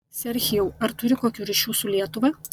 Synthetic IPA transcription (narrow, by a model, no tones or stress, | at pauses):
sʲɛɾʲxʲɪjɛːɐɾt̪ʊɾʲɪkoːkʲuːɾʲiʃʲuːsʊlʲiɛt̪ʊʋɐ